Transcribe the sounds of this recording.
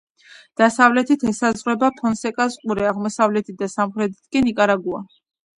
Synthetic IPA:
d̪̥asavlɛt̪ʰit̪ʰɛsazʁwɛbapʰɔnsɛkʼazqʼuɾɛaʁmɔsavlɛt̪ʰit̪̚d̪asamχɾɛd̪it̪ʰkʼinikʼaɾaɡua̰

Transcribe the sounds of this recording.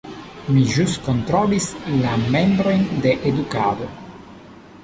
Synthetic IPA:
miʒuskont̪ɾolislamembɾo̞jnd̪eʔed̪ukaːd̪o

